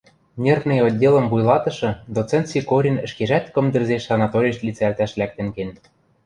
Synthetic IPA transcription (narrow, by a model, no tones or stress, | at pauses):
nʲernĕjodʲːelɤ̆mvujlɑt̪ɤ̆ʃɤ̆d̪ot͡sĕnt̪t͡sikoɾʲinɘ̆ʃkeʒæt̪kɤ̆md̪ɘ̆rzeʃɑnɑt̪oɾʲiʃt̪lʲit͡sælt̪æʃlæk̚t̪ɘ̆ŋken